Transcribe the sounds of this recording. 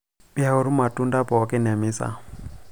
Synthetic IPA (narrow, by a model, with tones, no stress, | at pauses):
bi˦a˦ʊ˨ɾu˦ma˨tʼu˦nda˦pɔ˨˦kʼɛ˦na˨mi˦sa̰˨